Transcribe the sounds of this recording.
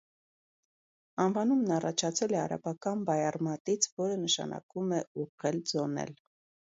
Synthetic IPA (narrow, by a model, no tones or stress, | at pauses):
ɑnvɑnumnɑrɑt͡ʃʰɑt͡sʰɛlɛɑ̰ɾɑ̰bɑkɑnbɑjɑrmɑt̪it͡sʰvɔɾənəʃɑ̰nɑ̰kumɛuʁɛld͡zɔnɛ̰l